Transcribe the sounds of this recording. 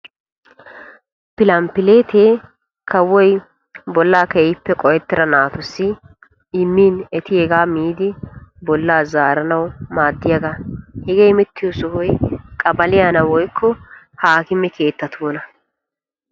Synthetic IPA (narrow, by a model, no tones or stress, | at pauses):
pɪlɐmpɪleːt̪ʰeː | kʰɐwːɔj | bɔlːaːkɛpːɛkʼɔjɛt̪ːɪɾɐnaːt̪ʊsːɪ | ɪmːiːnɛt̪ɪɛɡaːmiːd̪ɪbɔlːaːzaːɾɐnɐwmaːd̪ːɪjɐɡahɛɡejmɛt̪ːɪjɔsʊhʊjkʼɐbɐlɪjanɐwɔjkʰːɔ | haːkɪmːɛkʰeːt̪ːɐt̪ʰoːnɐ